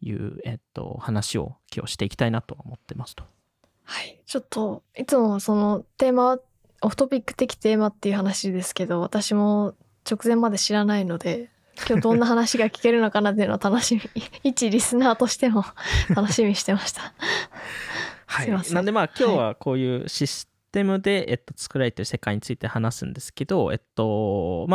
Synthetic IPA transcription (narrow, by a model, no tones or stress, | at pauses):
jɯ̟̰ːet̪ːo̞̰hanaɕio̞̰kʲo̞̰ːɕi̥t̪e̞ikʲi̥t̪ainat̪o̞aomo̞t̪ːemasɨ̥t̪o̥ | hait͡ɕo̞t̪ːo̞it͡sɨmo̞so̞no̞t̪e̞ːmaβa | oɯ̟t̪o̞pʲikːɯ̟̥t̪e̞kʲi̥t̪e̞ːmat̪ːe̞iɯ̟ɦanaɕid̪e̞sɨ̥ke̞d̪o̞β̞at̪aɕimo̞ | t͡ɕo̞kɯ̟zẽ̞mːad̪e̞ɕiɾanaino̞d̪e̞ | kʲo̞ːd̪õ̞nːaɦanaɕiɡakʲi̥ke̞ɾɯ̟no̞kanat̪̬ːeiɯ̟not̪ano̞ɕimʲiit͡ɕiɾʲisɨnaːt̪o̞ɕi̥t̪e̞mo̞t̪ano̞ɕimʲiɕi̥t̪e̞maɕi̥t̪ḁ | haanãnod̪e̞maːkʲo̞ːβako̞ːjɯ̟ːɕisɨ̥t̪e̞mɯ̟d̪e̞ḛt̪ːo̞t͡sɨ̥kɯ̟ɾaet̪ːeɯ̟̥se̞kaiɲ̟it͡sɨit̪e̞hanasɨ̰̃nd̪esɨ̥ke̞d̪o̞e̞̰t̪ːo̞ma